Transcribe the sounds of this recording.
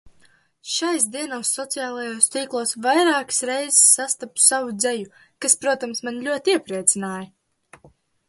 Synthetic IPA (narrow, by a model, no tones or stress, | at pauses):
ʃajs̬d̪iɛnɔwsːɔt̪sijaːlˠajoːst̪iːklˠuɔsvajɾaːkɨ̥sɾɛjzsːast̪apu̥savud̪zɛju | kaspɾuɔt̪amsmanlʲuɔt̪iɛpɾiɛt̪sinaːjɐ